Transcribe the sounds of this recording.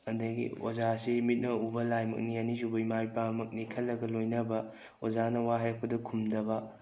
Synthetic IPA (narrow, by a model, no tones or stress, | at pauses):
ɐndɐɡḭo̰zasimit̚nɐubɐlajmɐ̰k̚nianisubɐimajpamɐk̚nikʰɐlːɐɡɐlojnɐbɐ | ozanɐwaɦɐɾɐk̚pɐdɐkʰumdɐbɐ